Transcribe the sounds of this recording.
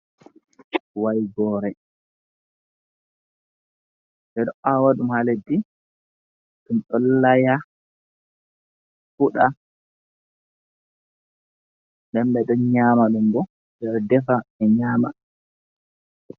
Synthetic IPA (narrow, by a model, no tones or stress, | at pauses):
wajɡɔɾɛ | ɓɛɗɔawaɗumhaledːi | ɗumɗɔlːaja | fuɗa | ndɛnbɛɗɔnɲaːmaɗumɡɔ | ndɛɾdɛfaɛɲaːma